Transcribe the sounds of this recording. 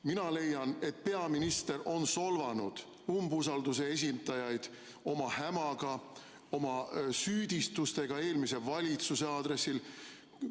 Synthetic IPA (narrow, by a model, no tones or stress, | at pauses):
minɑle̞jːɑne̞t̪̚pe̞ɑminist̪e̞rʔo̞nso̞lvɑnud̪̥ | umbusɑld̪us̬e̞es̬ʲind̪ɑjɑjd̪̥ | o̞mɑhæmɑɡ̥ɑ | o̞mɑsyːd̪̥ʲist̪ust̪e̞ɡ̥ɑe̞ːlmise̞vɑlʲit̪suse̞ɑːd̪ɾe̞sːil